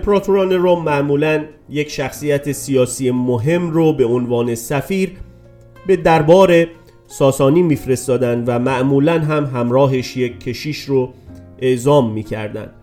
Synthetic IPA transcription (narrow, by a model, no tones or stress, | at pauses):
pʰɾɒːt̪ʰuɾɒːneɾɔmæʔmuːlæn | jecʃæxsiːjæt̪ʰe̞sijɒːsiːjemoɦe̞mrobe̞onvɒːne̞sæfiːɾ | be̞d̪æɾbɒːɾe̞ | sɒːsɒːniːmiːfɾe̞st̪ɒːd̪ænd̪væmæʔmuːlænɦæmɦæmɾɒːɦeʃjekʰːe̞ʃiːʃroeʔzɒːmːiːcʰæ̰ɾd̪æ̰nd̪̥